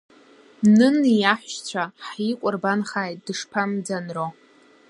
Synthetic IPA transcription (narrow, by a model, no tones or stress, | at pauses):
nɨnijaħʷʃt͡ɕʷʰaħikʷʼʊrbanχaːjtʼd̥ɨʂpʰamd͡zanro